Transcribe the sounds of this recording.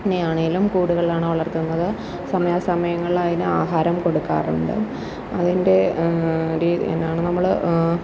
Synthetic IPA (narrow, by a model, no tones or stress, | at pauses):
nejaːɳijilumkuːɽuɣɐɭilaːɳɨʋɐɭɐrt̪unːɐðɨ | sɐmɐjaːsɐmɐjɐŋːɐɭiɭaːjinɨaːɦaːɾɐmko̞ɽukːa̰ːruɳɖɨ̰ | ɐðinde̞ | ɾḭːḛnːaːɳɨnɐmːɐɭ